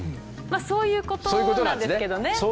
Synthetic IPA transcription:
maso̞ːjɯ̟ːko̞t̪sooːjkoonãnd̪eɨked̪o̞ne̞so

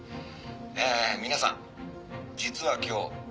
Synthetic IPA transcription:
emʲinasã̰ŋ | d͡ʑit͡sɨβakʲo̞ː

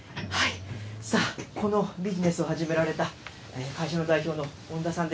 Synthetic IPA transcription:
haisako̞no̞bʲiʑine̞sɨo̞haʑime̞ɾaɾe̞t̪a | eːkaiɕano̞d̪aiçʲo̞ːno̞ | õnd̪asãnd̪

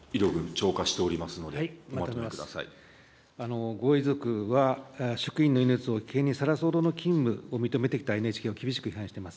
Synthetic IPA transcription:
iɾo̞ɡɯ̟̃nt͡ɕo̞ːkaɕi̥t̪e̞oɾʲimasɨno̞d̪eaimamat̪oomeakɯd̪asa̰ḭ | ano̞ɡo̞izo̞kɯ̟βaɕo̥kɯ̟ĩnːo̞inɯt͡sɨo̞kʲi̥keɲ̟ːisaɾaso̞ːd̪o̞no̞kʲĩmbɯ̟o̞mʲit̪o̞me̞t̪e̞kʲi̥t̪aenet͡ɕi̥ke̞ːokʲibʲiɕi̥kɯ̟çiɦãɕi̥t̪emasɨ̥

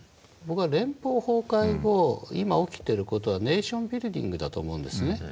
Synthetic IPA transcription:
bo̞kɯ̟βaɾẽ̞mpo̞ːho̞ːkaiɡo̞imao̞kʲi̥t̪e̞ɾɯ̟ko̞t̪o̞βane̞ːɕõ̞mbʲiɾɯ̟d̪ʲḭ̃ŋɡɯ̟d̪at̪o̰ːmo̞ɯ̟̃nd̪e̞sɨne̞

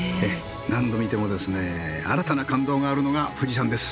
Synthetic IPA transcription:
e | nãnd̪o̞mʲit̪e̞mo̞d̪e̞sɨnea̰ɾat̪anakãnd̪o̞ːɡaːɾɯ̟no̞ɡaɸɯ̟d͡ʑis̬ãnd̪e̞sɨ̥

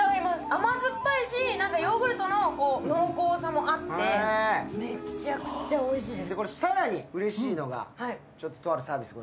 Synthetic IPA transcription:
aɾʲimasɨamazɨpːaiɕinãŋkajo̞ɡɯ̟ɾɯ̟t̪o̞no̞ko̞ːno̞ːko̞ːsamo̞ʔat̪ːemet͡ɕakɯ̟̥t͡ɕao̞iɕiːd̪e̞sd̪ekoɾesaɾaɲ̟iɯ̟ɾe̞ɕiːno̞ɡa̰hai | t͡ɕo̞t̪ːo̞t̪o̞aɾɯ̟saːbʲisɨɡo

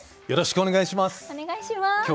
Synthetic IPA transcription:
jʌɾʌɕʰi̥kʰoneɡaɕʰimasɐneɡaɕima

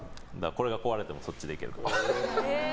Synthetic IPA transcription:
d̪ako̞ɾe̞ɡako̞βaɾe̞t̪e̞mo̞so̞t͡ɕʲːid̪e̞ike̞ɾɯ̰t̪o

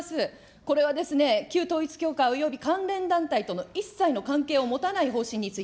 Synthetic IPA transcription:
sɨ | ko̞ɾe̞β̞ad̪e̞sɨne̞kʲɨːt̪o̞ːit͡sɨ̥kʲo̞ːkaojo̞bʲikãnɾẽ̞nd̪ãnt̪ait̪o̞no̞isaino̞kãŋke̞ːo̞mo̞t̪anaiɦo̞ːɕĩɲ̟ːit͡sɨi

